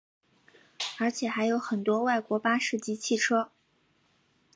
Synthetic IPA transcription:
ə˞˧˥t͡ɕʰjɛ˨˩xa˧˥ɪjo˧˥ʊxə˨˩nt̪wɔ˥wa˥˩ɪkwɔ˧˥pa˥ʂɻ̩˥˩t͡ɕi˥t͡ɕʰi˥˩ʈ͡ʂʰɤ˥

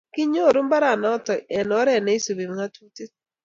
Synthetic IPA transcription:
kɪ˦ɲo˦˨ɾu˦mba˦ɾa˨nɔ˨˦tɔ˨ɛ˨nɔ˨˦ɾɛ˦˨ne˦i˦so˨be˨ŋa˦tu˦te˦t

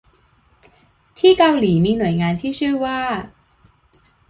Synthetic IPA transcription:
t̪ʰiː˥˩ka˧wliː˩˦miː˧nu˨˩˦jŋaː˧nt̪ʰiː˥˩t͡ɕʰɯ˥˩ɐwaː˥˩

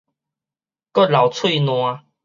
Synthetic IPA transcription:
kɔ˥˨la˨˩wt͡sʰwi˥˧nw̃ã˧

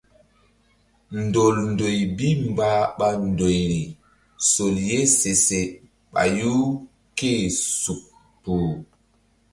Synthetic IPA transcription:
n˨do˨lndo˨jbi˦mbaː˦ɓa˦ndo˨jɾi˨ | so˨lje˦se˨se˨ | ɓa̰˨ju˦ | keː˦su˨k̚ | puː˨

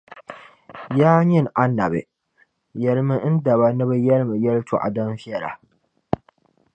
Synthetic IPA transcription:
jaː˦ɲɪ˦ŋʔa˦nːa˨bḛ˨ | jɐ˨lmɪ˦ʔɪ˦nda˨ba˦na˦ba˦jɐ˦lmɪ˨jɐ˦ltʰo̰˨ʔa̰˨dɐ˦nɸɪ˦a˦˨ɾa̰˨

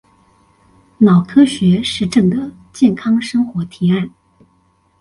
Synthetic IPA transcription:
nɑ˨˩ʊkʰɤ˥ɕɥɛ˧˥ʂɻ̩˥˧ʈ͡ʂɤ˥˩ŋd̪ə˩ | t͡ɕjɛ˥˩nkʰɑ˥ŋʂɤ˥ŋxwɔ˧˥t̪ʰi˧˥a˥˩n

